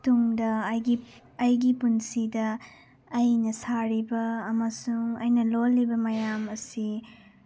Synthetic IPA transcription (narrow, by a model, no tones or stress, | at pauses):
tuŋdɐːjɡiː | jɡipunsidɐː | jnɐsaɾibɐːmɐsuŋɐ̰jnɐlolːibɐmɐjamɐsi